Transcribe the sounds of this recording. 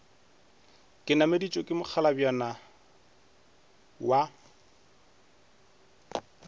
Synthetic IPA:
kʼɪnamedit͡ʃʼɔkʼɪmʊk͡xʰalabjɔna | wa

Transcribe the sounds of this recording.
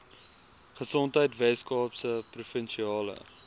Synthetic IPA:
χəsɔntɦəjtvɛskɑːpsəprufənʃiɑːlə̰

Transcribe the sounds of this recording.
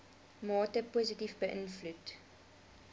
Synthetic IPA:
mɑːtəpuːzitifbəʔənflut

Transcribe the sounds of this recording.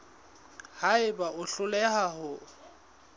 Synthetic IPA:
haɪbaʔʊɬʊlɛhaɦʊ

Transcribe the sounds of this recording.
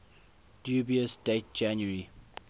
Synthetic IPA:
d̥jubiəsd̥et̚d͡ʒãnjəɹi

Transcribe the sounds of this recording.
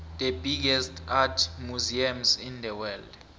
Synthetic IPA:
d̪ebiɡ̬ɛstʰatʰmuziamzind̪ɛwɛld

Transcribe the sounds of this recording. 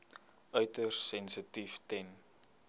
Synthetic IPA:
œɥtərsɛnsətiftɛn

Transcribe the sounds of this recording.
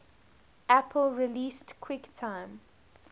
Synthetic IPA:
ʔæpʰəlɹiliːstkʰw̥ɪktʰãɪ̃m

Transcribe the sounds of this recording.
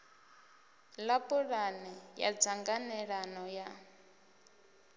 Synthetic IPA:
lapʼuɺanɛja̰d͡zaŋɡanɛɺanɔja

